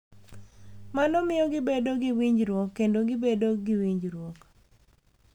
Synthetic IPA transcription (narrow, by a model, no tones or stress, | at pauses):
manɔmɪjɔɡɪbedoɡɪwiɲd͡ʒɾwɔkːendoɡɪbedoɡɪwiɲd͡ʒɾwok